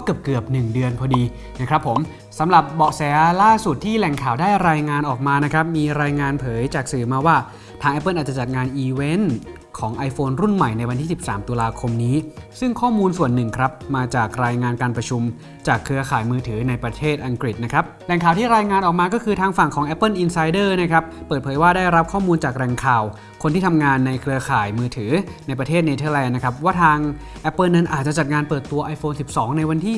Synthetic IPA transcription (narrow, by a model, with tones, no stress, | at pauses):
ɔ˦˥kɯ˨˩əp̚kɯ˨˩əp̚nɯ˨˩ŋdɯ˧ənpʰɔː˧diː˧ | na˦˥kʰɾa˦˥pʰːo˩˦m | sa˩˦mɾa˨˩p̚bɔ˨˩sɛː˨˩˦laː˥˩su˨˩t̪ʰːiː˥˩lɛ˨˩ŋkʰaː˨˩wdaː˥˩jɾaː˧jŋaː˧nʔɔː˨˩k̚maː˧na˦˥kʰɾa˦˥p̚miː˧ɾaː˧jŋaː˧npʰɤː˩˦jt͡ɕaː˨˩k̚sɯː˨˩maː˧waː˥˩ | t̪ʰaː˧ŋʔɛ˦˥pːɤː˥˩nʔ̚ːt͡ɕa˨˩t͡ɕa˨˩t̪̚ŋaː˧nʔiː˧we˦˥n | kʰɔː˩˦ŋʔa˧jfoː˧nɾu˥˩nma˨˩jna˧jwa˧nt̪ʰiː˥˩si˨˩p̚saː˩˦mt̪u˧laː˧kʰo˧mniː˦˥sɯ˥˩ŋkʰɔː˥˩muː˧nsu˨˩ənːɯ˨˩ŋkʰɾa˦˥p̚maː˧t͡ɕaː˨˩k̚ɾaː˧jŋaː˧nkaː˧npɾa˧t͡ɕʰu˧m | t͡ɕaː˨˩kʰɾɯ˧ɐkʰaː˨˩jmɯː˧t̪ʰɯː˩˦na˧jpɾa˧t̪ʰeː˥˩t̪̚ʔa˧ŋkɾi˨˩t̪̚na˦˥kʰɾa˦˥p̚lɛ˨˩ŋkʰaː˨˩wt̪ʰiː˥˩ɾaː˧jŋaː˧nʔɔː˨˩k̚maː˧kɔː˥˩kʰɯː˧t̪ʰaː˧ŋfa˨˩ŋkʰɔː˩˦ŋʔɛ˦˥pːɤː˥˩nʔi˧nsa˧jdɤː˥˩na˦˥kʰɾa˦˥ppːəɤː˨˩t̪̚pʰɤː˩˦jwaː˥˩daː˥˩jɾa˦˥p̚kʰɔː˥˩muː˧nt͡ɕaː˨˩k̚ɾɛ˨˩ŋkʰaː˨˩w | kʰo˧nt̪ʰiː˥˩t̪ʰa˧mŋaː˧nːa˧jkʰɾɯ˧ɐkʰaː˨˩jmɯː˧t̪ʰɯː˩˦ | na˧jp̬ɾa˧t̪ʰeː˥˩t̪̚na˧t̪ʰɤː˧lɛː˧nːa˦˥kʰɾa˦˥p̬̚waː˥˩t̪ʰaː˧ŋ | ʔɛ˦˥pːɤː˥˩nːa˦˥nʔaː˨˩t̪̚t͡ɕa˨˩t͡ɕa˨˩t̪̚ŋaː˧npɤː˨˩t̪ːu˧ɐʔa˧jfoː˧nsi˨˩p̚sɔː˩˦ŋna˧jwa˧nt̪ʰiː˥˩